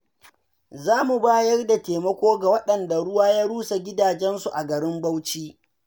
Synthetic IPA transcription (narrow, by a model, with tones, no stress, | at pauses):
zaː˦mu˨baː˦jɐ˦rda˨teː˨mɐ˦kʷoː˦ɡa˨wɐ˦ɗɐ˨nda˨ɽʊ˦waː˦jaː˦ɽuː˦sa˨ɡʲɪ˦daː˨d͡ʒɛ˦nsu˨ʔa˨ɡɐ˨ɾɪ˦mbɐ˦wt͡ʃiː˦